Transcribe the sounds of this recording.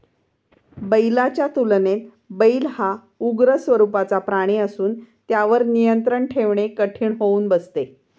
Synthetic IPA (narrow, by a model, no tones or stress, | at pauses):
bəjlat͡ɕjat̪ulnet̪ | bəilha | uɡɾəsʋəɾupat͡sapɾaɽ̃iəsuːnt̪jaʋəɾnijənt̪ɾəɳʈʰeʋɳekəʈʰiːɳɦouːnbəst̪e